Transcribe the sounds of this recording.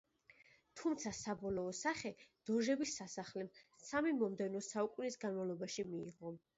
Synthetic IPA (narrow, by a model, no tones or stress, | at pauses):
t̪ʰumt̪sʰasabɔlˠɔːsaχɛd̪̥ɔʒɛbisːasaχlɛmsamimɔmd̪ɛvnɔsaukʼunisɡanmavlˠɔbaʃimiːʁɔ